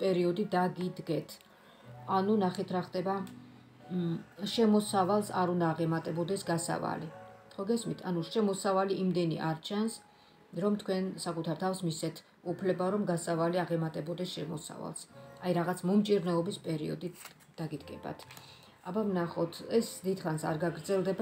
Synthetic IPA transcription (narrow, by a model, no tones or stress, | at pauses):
pʼɛɾiɔd̪id̪aɡid̪ɡɛt̪ʰ | anunaχit̪ʰɾaχd̪ɛba | ʃɛmɔsavalˠsaɾund̪aːʁɛmat̪ʼɛbɔd̪ɛsɡasa̰va̰liχɔɡɛsmit̪ʰanuʃɛmɔsavaliimd̪ɛnḭʔa̰ɾt͡ʃʰans | ɾɔmt̪ʰkʰwɛnsakʼut̪ʰaɾt̪ʰafsmisɛt̪ʰ | upʰlɛbaɾɔmɡasavaliaʁɛmat̪ʼɛbɔd̪ɛsʃɛmɔ̰sa̰va̰lˠsajɾaʁat̪sʰmɔmt͡ʃʼiɾnɔɔbispʼɛɾḭɔ̰d̪it̪ʰ | d̪̥aɡit̪kʼɛba̰t̪ʰ | abamnaχɔt̪ʰɛsd̪id̪χansa̰ɾɡaɡɾd̪zɛlˠd̪ɛb